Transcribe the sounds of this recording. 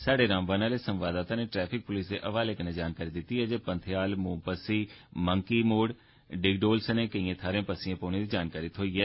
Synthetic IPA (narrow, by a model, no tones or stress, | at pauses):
saːɖeːɾãːmʋaːnaːleːsəmʋaːd̪aːt̪ãːneːʈɾɛːpʰɪk̚pʊliːsd̪eːʔəʋaːleːkənẽːd͡ʒaːnkaːɾiːd̪ɪt̪ːiːɦɛːd͡ʒeːpə̃nt̪ʰɪjaːlmũːpəsiːməŋkiːmoːɽ | ɖɪɡɖoːlsənẽːkəĩːẽːt̪ʰaːɾẽːpəsiãːpoːneːd̪iːd͡ʒaːnkaːɾit̪ɦoːiːɛː